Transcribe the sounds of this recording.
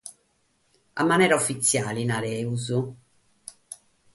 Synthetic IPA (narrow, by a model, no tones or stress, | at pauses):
a̰mːanɛːɾaufːit̪sːjaːlinaɾɛuzu